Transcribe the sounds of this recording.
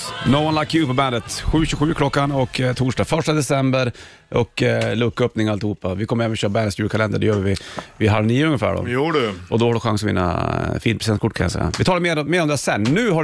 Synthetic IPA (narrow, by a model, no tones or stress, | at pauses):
noʊanlakːjʉːpɔbænd̪ət̪ɧʉ̟ːɕʉɧʉ̟ːkʰlɔkːanɔkt̪ʰuːʂʈɑːfœʂʈad̪ɛsɛmbəɾ | ɔklɵkːœpnɪŋalt̪ɪhuːpːavɪkʰɔmːəɾɛːvɛnɔɕøːɾbænət̪sjʉːɾkʰalɛnd̪əɖɛjøːvɪvɪɦaɾniːəɵŋːəfæ̰ːɖɔ̰jːɖʉʔɔd̪ɔhaɖʉɧaŋsɔvɪ̰nːa̰fiːnpʰɾɛsɪɛnt̪kʰʊʈ̚ːkʰanja̰sɛ̰jːa̰vɪt̪ʰɑːlaɾmeːɾmeːɾɔmd̪ɛasɛnːʉ̟ːɦa